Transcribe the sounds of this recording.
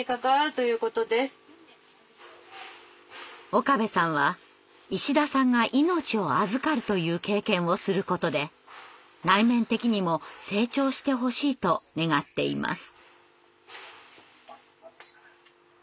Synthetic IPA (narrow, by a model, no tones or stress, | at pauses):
ikakaβaɾɯ̟t̪o̞jɯ̟ːko̞t̪o̞d̪e̞sɨ̥ | o̞kabe̞sãɰ̃βa | iɕid̪asãŋɡaʔino̞t͡ɕio̞azɨkaɾɯ̟t̪o̞jɯ̟ːke̞ːkẽ̞ɰ̃o̞sɨɾɯ̟ko̞t̪o̞d̪e̞ | ɾaimẽ̞nt̪e̞kʲiɲ̟imo̞se̞ːt͡ɕo̞ːɕi̥t̪e̞ɦo̞ɕiːt̪o̞ne̞ɡat̪ːe̞ḭmʔa̰sɨ̥